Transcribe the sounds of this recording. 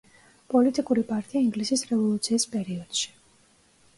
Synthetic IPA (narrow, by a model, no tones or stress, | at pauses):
pʼɔlit̪ʼikʼuɾipʼaɾt̪ʼiaiŋɡlisisɾɛvɔlˠut̪sʰiːspʼɛɾiɔd̪̥ʃi̥